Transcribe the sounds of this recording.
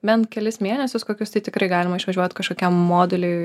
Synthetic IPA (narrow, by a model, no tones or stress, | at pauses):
mʲɛnkʲɛlʲɪsmʲeːnʲɛsʲʊskoːkʲʊst̪ɐɪt̪ʲɪkɾɐɪɡɑːlʲɪmɐɪʃʋɐʒʲuɔt̪ʲkɐʃkoːkʲɛmmoːd̪ʲʊlʲɛɪ